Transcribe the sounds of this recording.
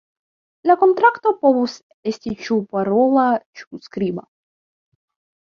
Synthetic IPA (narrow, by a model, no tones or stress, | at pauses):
lako̞nt̪ɾakt̪opo̞vus | estʲit͡ʃupaɾolat͡ʃuskɾiba̰